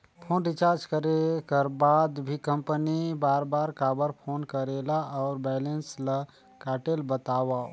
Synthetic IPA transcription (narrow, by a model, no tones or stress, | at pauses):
pʰoːnɾit͡ʃaːɾd͡ʒkəɾekəɾbad̪bʱikə̃mpənibaːɾbaːɾkaːbəɾpʰoːnkəɾelaʔɔʊɾbɛːlenslə | kaːʈelbət̪awa